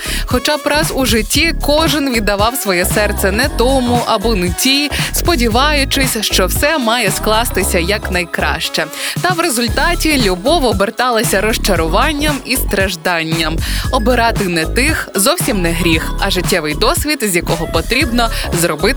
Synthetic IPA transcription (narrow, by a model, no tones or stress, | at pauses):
xɔt͡ʃɑpɾɑzuʒɪtʲːikɔʒɪnʋʲid̪ːɐʋɑwsʋɔjɛsɛrt̪sɛnɛt̪ɔmʊʔɐbɔnʊtʲijspɔdʲiʋɑjʊt͡ʃɪsʲʃt͡ʃɔwsɛmɑjɛsklˠɑst̪ɪsʲɐjɐknɐjkɾɑ̰ʃt͡ʃɛt̪ɐwɾezʊlʲt̪ɑtʲilʲubɔʋɔbert̪ɑlˠɐsʲɐɾɔʃt͡ʃɐɾʊʋɑnʲːɐmist̪ɾɐʒd̪ɑnʲːɐmɔbɪɾɑt̪ɪnɛt̪ɪxzɔwsʲimnɛɦɾʲixɐʒɪtʲːɛʋɪjd̪ɔsʲʋʲid̪zʲjɐkɔɦɔpɔt̪ɾʲibnɔzɾɔbɪ